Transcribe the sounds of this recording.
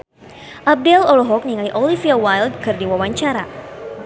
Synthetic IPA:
ʔab̚dɛlɔlɔɦɔk̚niŋajʔɔlifiawajld̚kɨrdiwawaɲt͡ʃaɾa̰

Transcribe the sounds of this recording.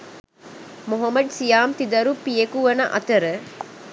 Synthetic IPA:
moɦɐmɐɖsijaːmt̪id̪ɐɾupijekuʋɐnɐʔɐ̰t̪ɐɾə

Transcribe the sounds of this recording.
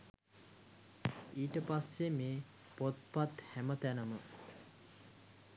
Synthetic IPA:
iːʈəpasːemeː | pot̪̚pat̪hæmət̪ænəmə

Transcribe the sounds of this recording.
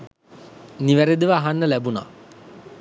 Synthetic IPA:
niʋæɾed̪əʋəːɦanːəlæbuna̰

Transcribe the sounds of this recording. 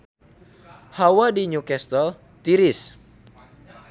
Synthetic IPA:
hawadiɲukɛst̪ɔl | t̪iɾɪs

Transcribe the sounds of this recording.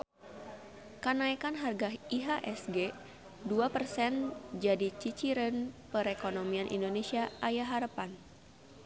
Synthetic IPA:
kənaikanɦarɡaiɦaʔɛsɡe | duapərsɛnd͡ʒadit͡ʃit͡ʃiɾənpəɾekonomianʔḭndonesiaʔajaɦaɾəpan

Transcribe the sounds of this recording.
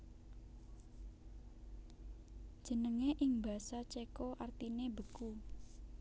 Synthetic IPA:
d̥ʒ̥ə̤nəŋeʔɪŋbä̤sat͡ʃekɔʔart̪inebəku

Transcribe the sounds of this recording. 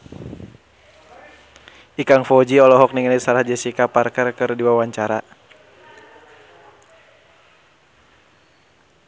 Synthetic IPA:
ʔikaŋfɔd͡ʒiɔlɔɦɔk̚niŋalisaɾahd͡ʒɛsikaparkərkɨrdiwawaɲt͡ʃaɾa

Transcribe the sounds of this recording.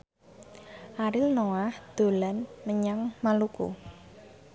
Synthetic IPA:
ʔaɾɪlnoahd̪̥o̤lanməɲaŋmalukṵ

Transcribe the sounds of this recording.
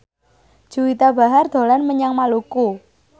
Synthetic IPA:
d͡ʒ̥ṳwit̪aba̤ɦard̪̥o̤lanməɲaŋmaluku

